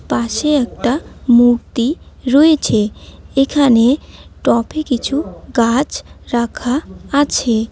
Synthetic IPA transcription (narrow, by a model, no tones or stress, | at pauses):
paʃeɛk̚ʈamuɾt̪iɾoet͡ɕʰeekʰaneʈɔpʰekit͡ɕʰuɡat͡ɕɾakʰaːt͡ɕʰe